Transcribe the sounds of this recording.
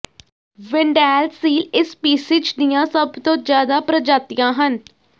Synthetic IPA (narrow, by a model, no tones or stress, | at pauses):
ʋɪ̃ɳɖɛːlsiːlɪspiːsɪt͡ʃd̪ɪjãːsəbt̪õːd͡ʒjaːd̪aːpɾəd͡ʒaːt̪ɪjãːɦən